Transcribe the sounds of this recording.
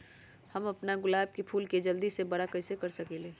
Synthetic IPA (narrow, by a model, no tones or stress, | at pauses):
hɐmɐpnaɡʊlaːb̚kepʰuːlked͡ʒɐld̪isebɐɽakɐɦsekɐɾsɐkeːleː